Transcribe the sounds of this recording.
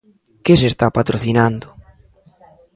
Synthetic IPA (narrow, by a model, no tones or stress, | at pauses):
kɪs̬est̪apat̪ɾoθinand̪ʊ